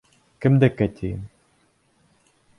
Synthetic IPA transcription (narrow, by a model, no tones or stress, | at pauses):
kɘ̆md̪ækːæt̪ʲʰijɘm